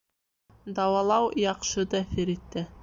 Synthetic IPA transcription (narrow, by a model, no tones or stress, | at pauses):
d̪ɑwɑlˠɑwjɑqʃɤd̪ɑθɘɾit̪ːɘ